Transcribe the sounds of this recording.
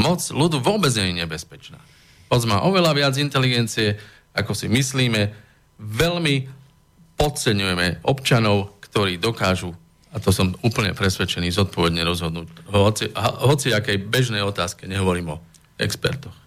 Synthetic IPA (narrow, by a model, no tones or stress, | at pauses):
mɔt͡slud̪uʋʊɔbɛd͡zɲɛɲɛɲɛbɛspɛt͡ʃna̰ː | mɔd͡zma̰ːʔɔʋɛlaʋɪad͡zint̪ɛliɡɛnt͡siɛ | akɔsimisliːmɛ | ʋɛʎmi | pɔt̪̚t͡sɛɲujɛmɛɔpt͡ʃanɔʊkt̪ɔɾiːd̪ɔkaːʒu | at̪ɔsɔmuːpl̩ɲɛ̰pɾɛsʋɛt͡ʃɛniːzɔt̪̚pɔʋɛd̪ɲɛɾɔzɦɔd̪nuːɦɔt͡siɦɦɔt͡siakɛjbɛʒnɛjɔt̪aːskɛɲɛɦɔʋɔɾiːmɔ | ɛ̰kspɛ̰ɾt̪ɔx